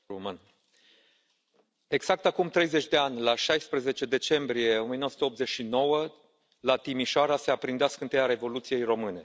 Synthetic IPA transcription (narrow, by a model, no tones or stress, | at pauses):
mɨn | e̞ɡz̥ak̚t̪akumt̪ɾe̞jze̞t͡ʃʲd̪e̞anʲlaʃajspɾəze̞t͡ʃe̞d̪e̞t͡ʃe̞mbɾijeo̞mienowəsut̪eop̪ze̞t͡ʃʃino̞wə | lat̪imiʃoaɾase̞apɾind̪easkəɨnt̪eaɾe̞vo̞lut̪sije̞jro̞mɨne̞